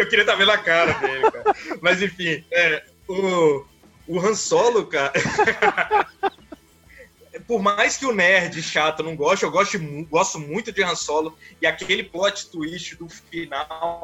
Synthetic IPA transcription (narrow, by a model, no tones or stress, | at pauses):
ewkɪɾiɐt̪avẽd̪akaɾɐd̪elɪkaɾmɐzẽfĩɛ | ʊ | ʊɦɐ̃sɔlʊkaɾɐ | pʊɾmajskɪʊnɛɾd͡ʒɪʃat̪ʊnɐ̃w̃ɡɔʃt̪ʊewɡɔst̪ʊmɡɔst̪ʊmũj̃t̪ʊd͡ʒɪhɐ̃sɔlʊɪakelɪplɔt͡ʃɪ̥t̪uiʃt͡ʃɪd̪ʊfinaw